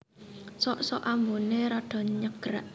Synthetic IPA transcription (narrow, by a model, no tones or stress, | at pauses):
sɔʔsɔʔamboneɾaɖ̥ɔ̤ɲəɡ̥əɾaʔ